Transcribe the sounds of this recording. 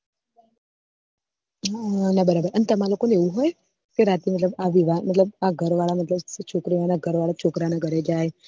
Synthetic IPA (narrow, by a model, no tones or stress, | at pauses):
nəbəɾabəɾʔənt̪əmalokoneʋũɦoj | keɾat̪imət̪ləbaʋiʋamət̪ləb̚aɡʱəɾʋaɭamət̪ləbst͡ʃʰokɾiʋanaɡʱəɾʋaɭat͡ʃʰokɾanaɡʱəɾed͡ʒaj